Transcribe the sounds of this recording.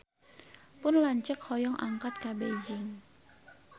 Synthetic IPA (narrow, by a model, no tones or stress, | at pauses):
pʊnlaɲt͡ʃəkhɔjɔŋʔa̰ŋkat̪̚kabed͡ʒɪŋ